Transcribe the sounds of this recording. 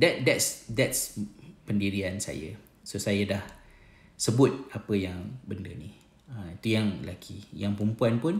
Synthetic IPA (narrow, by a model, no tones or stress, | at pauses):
dɛt̪̚dɛtsdɛt̚spəndiɾiansa̰jə̰ | sosajadah | səbʊt̪̚apəjaŋbəndəni | əmit̪ujaŋlakʰijaŋpɾumpuanpʊn